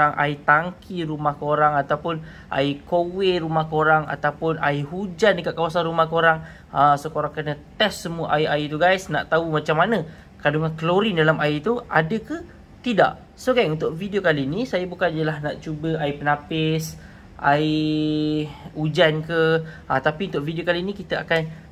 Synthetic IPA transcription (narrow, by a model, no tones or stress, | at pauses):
aŋʔa̰it̪aŋkʰiɾumahkoɾaŋat̪awpʊn | ʔa̰ikoweɾumahkoɾaŋa̰t̪awpʊna̰iɦud͡ʒandəkaʔkawasanrumahkoɾaŋ | əsokoɾaŋkərnət̪ɛsːəmuəʔajait̪uɡajsna̰ʔt̪aumat͡ʃamːanə̃ | kaduŋankəloɾindalamait̪uadəkə | t̪ida̰ʔ | soɡanunt̪ʊʔfidiokalinisajabukanijəlahnaʔt͡ʃubəʔaipənãpɪs | ʔa̰i | ud͡ʒankəat̪apiunt̪ʊʔvidiokalinikit̪əakan